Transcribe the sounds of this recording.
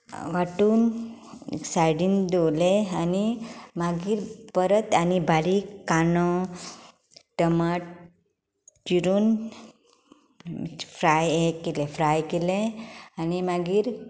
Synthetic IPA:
ʋaʈuːn̰ | sajɽiːnd̪owleanimaɡiːɾpəɾət̪anibʱaɾikanɔ | ʈəma | d͡ʒiɾuːn | fɾajekːelefɾajkeleanimaɡiːɾ

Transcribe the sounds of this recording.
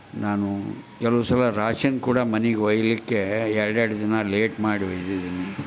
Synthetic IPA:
naːnukɛlɐʋusɐlɐɾaːʂɐnkuːɽɐmɐniɡeɔjɐlikːeɛɭɐɖeɽɐd͡ʒ̪inːɐleːʈmaːɽiʋɔjd̪id̪inːi

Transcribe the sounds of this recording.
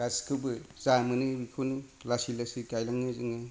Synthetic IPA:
askʰɯwbɯz̥amɯnɯbikʰonilasilasikajlaŋɯzɯŋa

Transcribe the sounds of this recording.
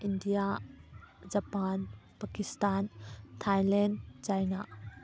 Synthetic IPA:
ʔindija | d͡ʒɐpanpakist̪ant̪ʰajlɛnt͡ʃajna

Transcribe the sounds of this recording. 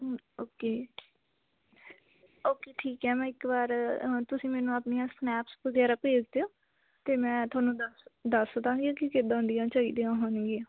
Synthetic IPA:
oːkeː | oːkeːʈʰiːkɦɛːmɛ̃ːɪkbaːɾt̪ʊsĩːmɛːnũːaːpnijãːsnɛːpsbəɡɛːɾaːpeːd͡ʒd̪eoː | t̪eːmɛ̃ːt̪ʊaːnũːd̪sd̪əsət̪ãːɡikikɪd̪ãːʊnd̪ɪjãːt͡ʃaːiːd̪eãːɦʊnɡiãː

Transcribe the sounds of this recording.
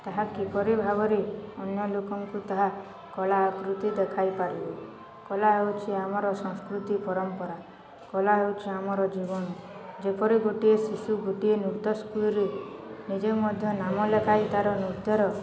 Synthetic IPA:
t̪aɦakipɔɾibʱaɡɔɾeɔnjɔlokɔŋkut̪aɦa | kɔlaːkɾut̪id̪ekʰajpaɾibe | kɔlaɦewt͡ʃʰiamɔɾɔsɔ̃ŋskɾut̪ipɔɾɔmpɔɾa | kɔlaɦewt͡ʃʰiamɔɾɔd͡ʒibɔnɔd͡ʒepɔɾiɡoʈiesisuɡoʈienuɾt̪ɔskulɔɾenid͡ʒemɔd̪ʱjɔnamɔlekajt̪aɾɔniɾd̪jɔɾɔ

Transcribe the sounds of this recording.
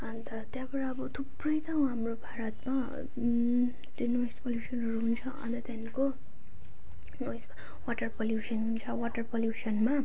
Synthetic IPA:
ʌnt̪ʌt̪jabʌɾaːbʌt̪ʰubrʌjt̪ʌw̃ɦamrobʱaɾʌt̪ma | t̪inojspʌljusʌnɦʌɾuɦunt͡sʰʌʌ̰nt̪ʌt̪janko | nojs | waʈʌrpʌljusʌnɦunt͡sʰʌwaʈʌrpʌljusʌnma

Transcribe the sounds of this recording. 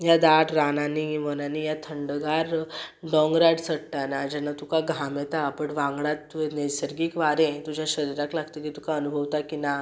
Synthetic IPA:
jad̪aʈɾananimənaniːjat̪ʰəɳɖəɡaɾɖɔ̃ŋɡɾaɽsəɽʈ̪anad͡ʑɛnːat̪ukaɡʱamɛt̪aːpəɳʋãŋɡɽat̪ːuenesəɾɡiːkʋaɾẽt̪ud͡ʑjaɕəɾiɾaklaɡt̪əkit̪ukaənubʱəʋt̪akina

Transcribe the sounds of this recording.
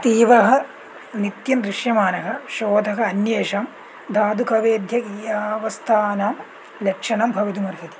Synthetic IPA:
t̪iːʋɐɦɐ̆ | nit̪jɐnd̪ɾiʂjɐmaːnɐɦɐ̆ʃoːd̪ʱɐɦɐ̆ɐnjeːʃɐm | d̪ʱaːd̪ukʰɐʋeːd̪ʱjɐkijaːʋɐst̪ʰaːnɐm | lɐkʂɐɳɐmbʱɐʋid̪umɐɾɦit̪i̥

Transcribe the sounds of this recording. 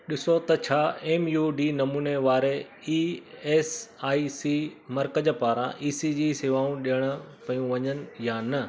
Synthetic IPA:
ɗɪsot̪ɐt͡ɕʰaːeːmjuːɖiːnɐmuːneʋaːɾe | iːeːsaːisimɐɾkəd͡ʑəpaːɾã̰ʔiːsid͡ʑiːseːʋaːũɗijəɽ̃ə̆pɐjũʋɐɲənɪ̆jaːnɐ

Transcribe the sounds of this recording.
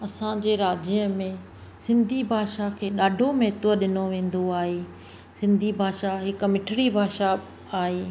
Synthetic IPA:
ɐsãd͡ʑeːɾaːd͡ʑəmẽ | sɪ̃nd̪ʱibʱaːʃakʰeːɗaːɖʱomɛːt̪oəɗɪnoʋẽːn̆d̪oaːɦeː | sɪ̃nd̪ʱibʱaːʃaɦɪkmɪʈʰɪɽibʱaːʃa | aːɦeː

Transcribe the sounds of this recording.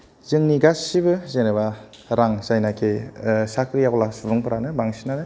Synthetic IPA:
zɯŋniɡasibɯzenɯβa | ɾaŋsajnakʰesakʰɾijaɡlasubɯŋpʰɯɾanɯbaŋsinanɯ

